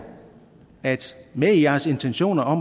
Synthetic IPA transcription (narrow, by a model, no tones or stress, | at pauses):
æd̥mejæɐse̝nt͡sʰenɕo̝̰ːnɐɒ̽m